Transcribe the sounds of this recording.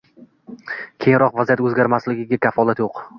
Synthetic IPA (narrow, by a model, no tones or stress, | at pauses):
kʲʰejŋɾɒqvazijat̪ɵzɡʲaɾmaslɪɡʲɪɡʲakʲʰafɒlˠat̪joq